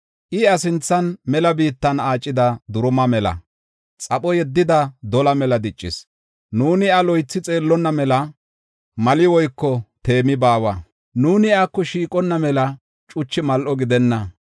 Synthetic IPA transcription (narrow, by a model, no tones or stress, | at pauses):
ʔɪɐsɪnt͡sːɐnmɛlɐbiːt̪ːɐnaːt͡ʃʼːɪd̪ɐd̪ʊɾʊmɐmɛlɐ̰ | t͡sʼɐpʼɔjɛd̪ːɪd̪ɐd̪ɔlɐmɛlɐd̪ɪt͡ʃʼːɪ̰s | nuːnɪɐlɔjt͡sːɪt͡sʼe̞ːlːɔnːɐmɛlɐ | mɐlɪwɔjkːɔt̪e̞ːmɪbaːwɐ | nuːnɪakːɔʃiːkʼɔnːɐmɛlɐ | t͡ʃʼʊt͡ʃːɪmɐlʔɔɡɪd̪ɛnːɐ